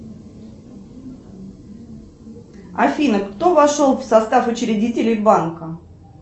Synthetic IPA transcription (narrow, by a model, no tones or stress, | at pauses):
ɐ̰fʲinəkt̪o̞vɐʂolˠfsɐst̪afʊt͡ɕɾʲɪdʲitʲɪlʲɪjbankə